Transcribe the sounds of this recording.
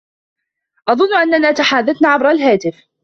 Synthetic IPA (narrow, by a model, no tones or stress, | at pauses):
ʔɑðˤʊnːʔanːanaːt̪aħaːðːaθnaːʕabɾˤalɦaːt̪ɪf